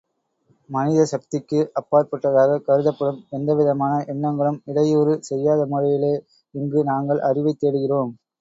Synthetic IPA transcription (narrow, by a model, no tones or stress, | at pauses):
mɐnɪðɐsɐk̚t̪ɪkːɯʔɐpːaːɾpɐʈːɐðaːɣɐkɐɾɯðɐpːɐɽɯmɛnd̪ɐʋɪðɐmaːnɐʔɛnːɐŋɡɐɭɯmɪɽɐjuːɾɯsɛjːaːðɐmʊɻɐjɪleː | ɪŋɡɯnaːŋɡɐɭʔɐrɪʋɐɪt̪ːeːɽɯɣɪroːm